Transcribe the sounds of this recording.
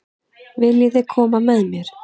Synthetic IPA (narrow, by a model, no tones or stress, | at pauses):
vɪljɪθɪkʰɔːmamɛðmjɛɾ̥